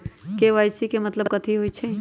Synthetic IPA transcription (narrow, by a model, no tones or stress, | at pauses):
keʋajsikemɐt̪ləkət̪ʰiɦoit͡ʃʰe